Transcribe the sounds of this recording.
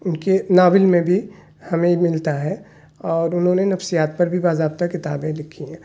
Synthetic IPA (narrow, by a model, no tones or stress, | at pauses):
ʊnkenaːʋɪlmẽbʱi | hɐmẽmɪlt̪aɦɛ | ɔːɾʊnɦõːnenɐfsijaːt̪̚pɐɾbʱibaːzaːb̚t̪akɪt̪aːbẽlɪkʰiɦɛ̃ː